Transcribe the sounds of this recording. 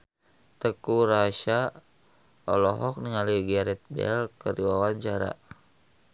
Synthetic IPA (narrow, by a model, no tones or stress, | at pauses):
t̪əkuɾaʃa | ɔlɔɦɔk̚niŋaliɡaɾɛt̪̚bɛ̰lkəriwawaɲt͡ʃaɾa̰